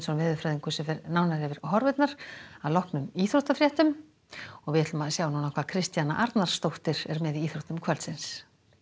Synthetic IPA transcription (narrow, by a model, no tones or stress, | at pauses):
sɔnvɛːðʏɾfɾɛːðiŋkʏsɛfɛɾnaːwnaɾhɛvɪɾ̥hɔɾvɪt̪naɾ̥aðlɔhknʏmiːθɾowht̪afɾjɛht̪ʏm | ɔɣvɪɛt̪lʏmaðsjaːwnuːnakʰvaːðkʰɾɪst̪jana̰ʔaɾt̪naɾ̥st̪owht̪ɪɾ̥ɛɾmɛðiiːθɾowht̪ʏmkʰvœɾlt̪sɪns